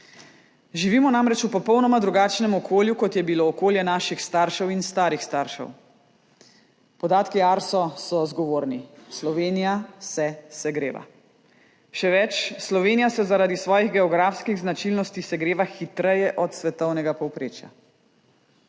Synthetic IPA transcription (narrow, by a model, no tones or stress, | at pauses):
ʒiʋiːmɔnamɾɛt͡ʃupɔpɔwnɔmad̪ɾuɡaːt͡ʃnɛmɔkʰoːljukɔt̪jɛbiloːkoːljɛnaːʃixst̪aːɾʃɛwinst̪aːɾixst̪aɾʃɛ̰w | pɔd̪aːt̪kiaɾsɔsɔzɡɔʋoːɾnislɔʋeːnijasɛsɛɡɾeːʋa̰ | ʃɛʋɛt͡ʃslɔʋeːnijasɛzaɾaːd̪isʋɔːjiɣɡɛɔɡɾafskiɣznat͡ʃilnɔst̪isɛɡɾeːʋaxit̪ɾɛjɛʔɔt̪sʋɛt̪ɔwnɛɡapɔwpɾḛːt͡ʃja̰